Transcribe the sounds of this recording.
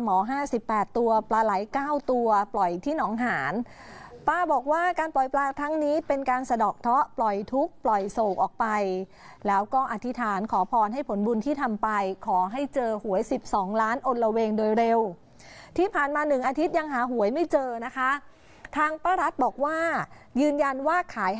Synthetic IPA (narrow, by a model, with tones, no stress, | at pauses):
mɔː˩˦ɦaː˥˩si˨˩pːɛː˨˩t̪ːu˧ɐplaː˧la˩˦jkaː˥˩wt̪u˧ɐplɔ˨˩jt̪ʰiː˥˩nɔː˩˦ŋɦaː˩˦n | paː˧bɔː˨˩k̚waː˥˩kaː˧nplɔ˨˩jplaː˧t̪ʰa˦˥ŋniː˦˥pe˧nkaː˧nsa˧dɔː˨˩k̚t̪ʰɔ˦˥ʔplɔ˨˩jt̪ʰu˦˥k̚plɔ˨˩jsoː˨˩k̚ʔɔː˨˩k̚pa˧j | lɛː˦˥wkɔː˥˩ʔa˨˧˩t̪ʰi˦˥t̪ʰaː˩˦nkʰɔː˩˦pʰɔː˧nɦa˥˩jpʰo˩˦nbu˧nt̪ʰiː˥˩t̪ʰa˧mpa˧jkʰɔː˩˦ɦa˥˩jt͡ɕɤː˧hu˨˩˦əjsi˨˩p̚sɔː˩˦ŋlaː˦˥nʔo˧nɾa˧weː˧ŋdoː˧jɾe˧w | t̪ʰiː˥˩pʰaː˨˩nmaː˧nɯ˨˩ŋʔaː˧t̪ʰi˦˥t̪̚ja˧ŋɦaː˩˦ɦu˨˩˦əjma˥˩jt͡ɕɤː˧na˦˥kʰa˦˥ | t̪ʰaː˧ŋpaː˥˩ɾa˦˥t̪̚bɔː˨˩k̚waː˥˩ | jɯː˧nja˧nwaː˥˩kʰaː˩˦j